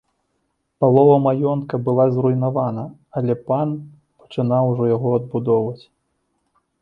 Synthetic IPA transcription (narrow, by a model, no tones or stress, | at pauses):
palˠɔvɐmajɔnt̪kɐbɨlˠazrujnavanɐ | ɐlʲɛpan | pɐ̥t͡ʂɨnawʐɔjaɣɔɐd̪̚bud̪ɔvɐt͡sʲ